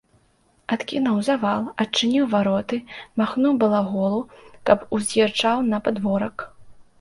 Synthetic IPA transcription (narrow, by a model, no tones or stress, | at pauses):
at̪kʲinɐwzavalˠɐt͡ʂːɨnʲiwvaɾɔt̪ɨmaxnuwbɐlˠaɣɔlˠukɐpuzʲjʲɛrt͡ʂawnɐpad̪vɔɾɐk